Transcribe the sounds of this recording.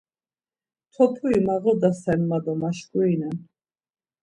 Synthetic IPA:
t̪ʰɔp̪ʰuimaʁɔd̪asɛnmad̪ɔmaʃkʼuinɛn

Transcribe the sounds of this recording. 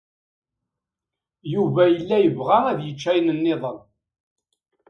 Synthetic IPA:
juvæjəlːæjəvʁaæðjət͡ʃːæjnənːɪðˤən

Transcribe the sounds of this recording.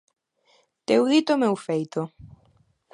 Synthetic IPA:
t̪ewðit̪omewfejt̪o

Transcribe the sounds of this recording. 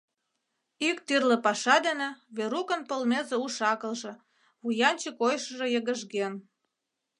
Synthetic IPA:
ikt̪yrlĕpɑʃɑd̪enĕβeɾukə̆npolmezeuʃɑkə̆lʒĕ | βujɑnt͡ɕəkojʃəʒĕjə̆ɣə̆ʒɣen

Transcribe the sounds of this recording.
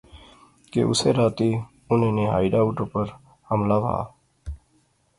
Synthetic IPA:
kḛʔʊ̰seːɾaːt̪iː | ʊnẽːneːɦa̰ːɪɖaːʊʈoːpəɾ | həmlaːʋa̰ː

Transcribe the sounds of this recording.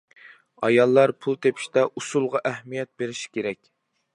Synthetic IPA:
ɑjɑlˠːɑɾpʰulˠt̪ʰepʰi̥ʃt̪ɛʔusulˠʁɑʔæhmijɛt̪̚beɾɪʃi̥kʲeɾɛkʲ

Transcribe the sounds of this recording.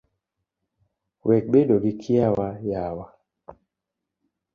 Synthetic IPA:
wʔɛk̚ɓedoɡikʰiawajawa

